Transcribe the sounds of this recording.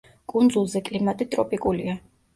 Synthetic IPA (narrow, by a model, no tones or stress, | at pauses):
kʼund̪zulˠzɛkʼlimat̪ʼit̪ʼɾɔpʼikʼulia